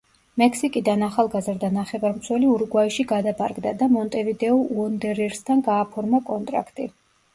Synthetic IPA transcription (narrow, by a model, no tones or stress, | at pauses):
mɛkʰsikʼid̪anaχalˠɡazɾd̪anaχɛvaɾmsʰwɛliuɾɡwaiʃiɡad̪apʰʼaɾɡd̪ad̪amɔnt̪ʼɛvid̪ɛɔuɔnd̪ɛɾɛɾst̪ʰanɡaːpʰɔɾmakʼɔnt̪ʼɾa̰kʰt̪ʼi